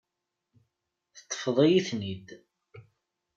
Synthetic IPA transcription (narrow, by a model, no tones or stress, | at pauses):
θə̥t̪ˤːə̥fðˤijiθnid̪